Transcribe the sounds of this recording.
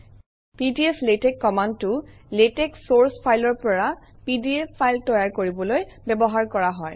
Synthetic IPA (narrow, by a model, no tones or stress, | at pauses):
pidiepʰletɛkːɔmantʊletɛksoɹspʰajlɔɹpɔɹapidiepʰːajltɔjaɹkoɹibɔlojbɛbɔɦaɹkɔɹaɦɔj